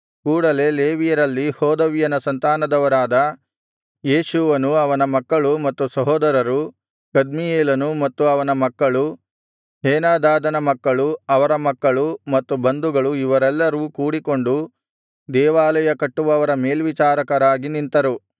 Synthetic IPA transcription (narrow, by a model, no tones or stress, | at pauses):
kuːɽɐle̞leːʋijɐɾɐlːihɔːd̪ɐʋijɐnɐsɐnt̪aːnɐd̪ɐʋɐɾaːd̪ɐ | jeːʃuʋɐnuɐʋɐnɐmɐkːɐɭumɐt̪ːusɐɦɔːd̪ɐɾɐɾu | ɡ̥ɐd̪mijeːlɐnumɐt̪ːuɐʋɐnɐmɐkːɐɭu | ɦeːnaːd̪aːd̪ɐnɐmɐkːɐɭuɐʋɐɾɐmɐkːɐɭumɐt̪ːubɐnd̪uɡɐɭuiʋɐɾɛlːɐɾuːkuːɽiko̞ɳɖu | d̪ɛːʋaːlɐjɐkɐʈːuʋɐʋɐɾɐme̞ːlʋit͡ʃaːɾɐkɐɾaːɡinint̪ɐɾu